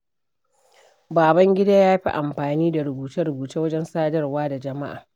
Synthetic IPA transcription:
baː˨bɐ˦ŋɡʲɪ˦daː˦jaː˦ɸi˦ʔa˨mɸaː˨niː˦da˨ɾʊ˨buː˨tɐ˦ɾʊ˨buː˨taː˦wɐ˦d͡ʒɛ˦nsaː˦dɐ˦rwaː˦da˨d͡ʒɐ˨ma˦ʔa̰ː˨

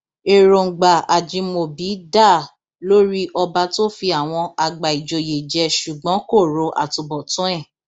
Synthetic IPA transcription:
e˨ɾo˨ŋ̩˨ɡ͡ba˨a˨d͡ʒĩ˧˦mo˧˨bi˨˦da˦˨ | lo˦ɾi˦ʔɔ˧ba˧to˦fi˧a˨w̃ɔ̃˧a˧ɡ͡ba˨i˨d͡ʒo˨je˨d͡ʒɛ˧ʃu˨ɡ͡bɔ̃˨˦ko˦˨ɾo˨˦ʔa̰˨to˨bɔ˨tũ˨˦ɛ˦˨

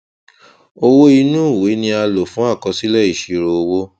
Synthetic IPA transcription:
o˦˧wo˦i˧nũ˦˨we˨˦nĩ˧a˧lo˨fũ˨˦a˦˨kɔ̃˧si˦lɛ˦˨i˦˨ʃi˨˧ɾo˧o˧wo˦

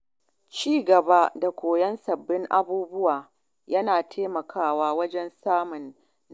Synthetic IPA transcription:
t͡ʃiː˦ɡɐ˨ba˦da˨kʷoː˨jɐ˦nsɐ˨bːɪ˦ŋʔa˦buː˦bʊ˦waː˨ | jɐ˦naː˨tʰeː˦mɐ˨kʰaː˦waː˦wɐ˦d͡ʒɛ˦nsaː˦mʊ˨nː

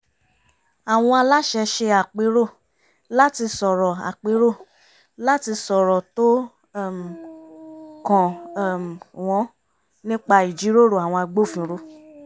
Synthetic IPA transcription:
a˨w̃ɔ̃˧a˧la˦ʃɛ˧ʃe˧a˨k͡pe˨˦ɾo˦˨ | la˦ti˧sɔ˨ɾɔ˨a̰˨k͡pe˨˦ɾo˦˨ | la˦ti˧sɔ˨ɾɔ˨to˦˨ | m˨ | kɔ̃˨m˨w̃ɔ̃˨˦ | nĩ˦k͡pa˧i˨d͡ʒi˨˦ɾo˦˨ɾo˦˨a˨w̃ɔ̃˧a˧ɡ͡bo˦˨fĩ˧˨˧ɾo˦˨

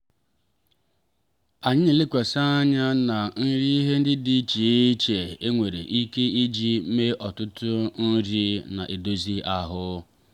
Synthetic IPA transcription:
a˨ɲɪ˦ni˨lɪ˦kʷe˨sa˦a˦ɲa˦na˨n̩˦ɾi˦i˦ɦe˦n̩˦dɪ˦di˨˦t͡ʃi˨˦t͡ʃe˨e˦ŋʷe˨ɾḛ˨ʔi˦ke˦i˦d͡ʒi˦me˦ʔɔ˨tʊ˦tʊ˦n̩˦ɾi˦na̰˨ʔe˨do˦zi˦a˨ɦʊ˦

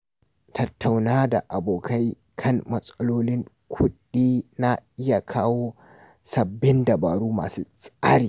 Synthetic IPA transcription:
tʰɐ˦tʰːa˨wnaː˦da̰˨ʔa˨boː˨kʰa˦j | kʰɐ˦˨ŋmɐ˦sʼɐ˦loː˦lɪ˦ŋ | kʷʰʊ˦ɗiː˦na˦ʔɪ˦ja˨kʰaː˦woː˦ | sɐ˨bːɪ˦ndɐ˨baː˨ɽuː˦ma̰ː˨sṵː˦sʼaː˦ɽiː˨

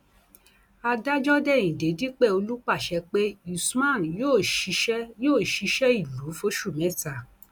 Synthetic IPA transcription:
a˧da˦d͡ʒɔ˦dɛ˦˨ĩ˨de˨˦di˦k͡pɛ˦˨o˧lu˦k͡pa˦˨ʃɛ˧k͡pe˦i˨su˦mã˦˨n˨jo˦˨˧ | joː˦˨ʃi˧˦ʃɛ˦i˦˨lu˨˦fo˦ʃu˦˨mɛ̃˦˨ta˨

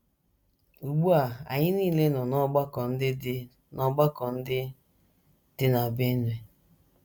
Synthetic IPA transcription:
u˨ɡ͡bu˦a˨a̰˨ɲɪ˦ni˦˨le˦nɔ˨nɔ˦ɡ͡ba˦kɔ˨n̩˦dɪ˦d | nɔ˦ɡ͡ba˦kɔ˨n̩˦dɪ˦ | d̥ɪ˦na˨be˦n˨e˨

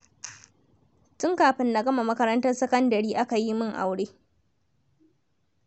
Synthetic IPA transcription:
tʊ˦ŋkaː˨ɸɪ˦nːa˨ɡɐ˦ma˨mɐ˦kɐ˦ɾɐ˦ntɐ˦rsɐ˦kɐ˦ndɐ˨ɾiː˦ʔa˦ka˨ji˦mɪ˦ŋʔa̰˨wɽeː˦

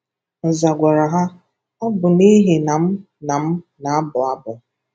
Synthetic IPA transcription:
n̩˨za˨ɡʷa˨ɾa˨ɦa˦ | ɔ˦bʊ˨ni˦ɦe˨na˨m̩˦ | na˨m̩˦na˨˦bʊ˨a˦bʊ˨

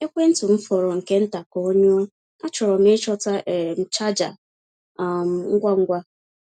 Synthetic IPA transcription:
e˦kʷe˦n̩˦tʊ˨m̩˦fɔ˨ɾo˨ŋ̩˨ke˦n̩˦ta˨kɔ˨o˦ɲo˦ | a˦t͡ʃɔ˨ɾɔ˨m̩e˦t͡ʃɔ˦ta˦˨m̩˨t͡ʃa˦d͡ʒa̰˨ | m˨ŋ̩˦ɡʷa˦ŋ̩˦ɡʷa˦

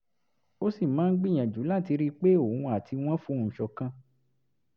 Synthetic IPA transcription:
o˦si˦˨mãː˨˦n̩˦ɡ͡bi˦˨j̃ã˨d͡ʒu˨˦la˦˨ti˧ɾi˦k͡pe˦o˦˨ũ˧a˨ti˧w̃ɔ̃˦fũ˦ũ˦˨ʃɔ˧kã˧

